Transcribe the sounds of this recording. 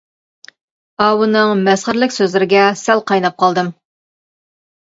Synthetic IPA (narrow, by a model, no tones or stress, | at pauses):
ɑwɨnɨŋmɛsχəɾlɪkʲsøzlɪɾɪɡʲɛsælˠqʰɑjnɑp̚qʰɑlˠd̪ɨm